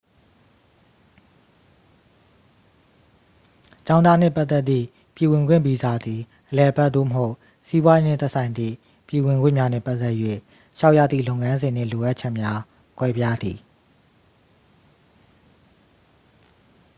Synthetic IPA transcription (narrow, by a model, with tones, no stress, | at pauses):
t͡ɕã˦ʊ̃na˦n̥ɪ̰˦˨pa˦t̪ːɛ˦ʔ̪t̪ːḭ˦˨ | pji˨wɪ̃˨ŋɡwɪ̃˦˨mbi˨za˨d̪i˨ | ʔəlɛ˨ʔə˨bɛ˦ʔt̪o̰˦˨məɦo˦ʊʔ | si˦bwa˦je˦nɪ̰̃˦˨t̪ɛ˦ʔsʰã˨ɪ̃nd̪ðḭ˦˨ | pji˨wɪ̃˨ŋɡwɪ̰̃˦˨mja˦nɛ̰˦˨pa˦ʔt̪ɛ˦ʔjwḛ˦˨ | ʃa˦ʊʔja̰˦˨d̪ðḭ˦˨lõ˦ʊ̃˨ŋã˦nzɪ̃˨n̥ɪ̰̃˦˨lo˨ʔa˦ʔt͡ɕʰɛ˦ʔmja˦ | kwɛ˦pja˦d̪i˨